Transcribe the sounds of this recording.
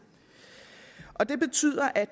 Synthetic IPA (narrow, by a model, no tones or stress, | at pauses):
ʔɒ̽d̥e̝b̥e̝t͡sʰy̰ð̰ˠɐʔæd̥